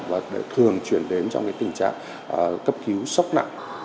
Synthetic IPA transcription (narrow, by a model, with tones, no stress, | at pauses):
vaː˨˩ɗ̰t̪ʰɨ˨˩əŋt͡ɕwi˧˩ənɗe˨˦nt͡ɕɔ˧wŋ͡mkaː˨˦jt̪ï˨˩ŋ̟t͡ɕa̰ː˧˨ŋː˨˩ | kə˦˥p̚ki˨˦wsɔ˦˥wk͡p̚na̰˧˨ŋ